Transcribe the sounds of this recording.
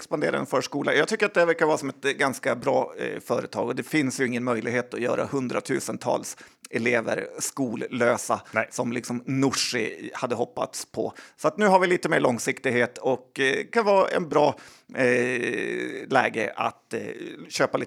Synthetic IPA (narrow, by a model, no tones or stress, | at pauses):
kspand̪eːɾa̰ɛ̰nfœːʂkuːla̰jɑːɡt̪ʏkːəɾat̪̚d̪ɛvæɾkavɑːsɔmɛt̪ɡanskabɾɑːfœːɾət̪ʰɑːɡɔd̪ɛfɪnsjɵɪŋːənmœjlɪɡheːt̪ɔjœ̰ːɾa̰hɵnd̪ɾat̪ʰʉ̟ːsənt̪ʰɑ̰ːlsɛleːvə̰ɾskuːlløːsasɔmlɪksɔmnʊʂɪ̰had̪ːəɦɔpːa̰t̪spʰɔ̰sɔat̪nʉ̟ːɦaɾvɪliːt̪əmeːɭɔŋsɪkt̪ɪɡɦeːt̪ʰɔkkʰanvɑːɛ̰nbɾɑː | lɛ̰ːɡə̰ʔa̰t̪ɕøːpaliː